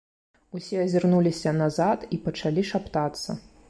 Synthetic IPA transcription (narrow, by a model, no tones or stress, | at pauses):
usʲɛɐzʲɪrnulʲisʲɐnazat̪ipɐt͡ʂalʲiʂapt̪at̪sːɐ̰